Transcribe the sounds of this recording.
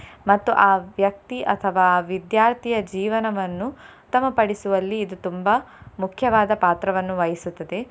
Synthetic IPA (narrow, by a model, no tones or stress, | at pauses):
mɐt̪ːuʔaːʋjɐk̚t̪iʔɐt̪ʰɐʋaːʋid̪jaːɾt̪ʰijɐd͡ʒiːʋɐnɐʋɐnːu | t̪ɐmːɐpɐɽisuʋɐlːiːd̪ut̪umbɐmukʰjɐʋaːd̪ɐpaːt̪ɾɐʋɐnːuʋɐjisut̪ːɐd̪e̞